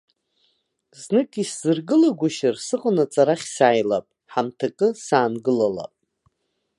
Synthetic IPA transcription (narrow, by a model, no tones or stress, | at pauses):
znɨkʼisz̥ɨrɡɨlaɡʷaʃarsɨqʼənat͡sʼaɾaχʲsajla̰pʼ | ħamtʰakʼɨsaːnɡɨlala̰pʼ